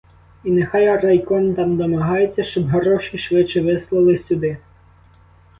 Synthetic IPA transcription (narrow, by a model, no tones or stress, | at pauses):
inexɑjɐɾɐjkɔnt̪ɑmd̪ɔmɐɦɑjet͡sʲːɐʃt͡ʃɔbɦɔɾɔʃiʃʋɪt͡ʃːɛʋɪslˠɐlˠɪsʲud̪ɪ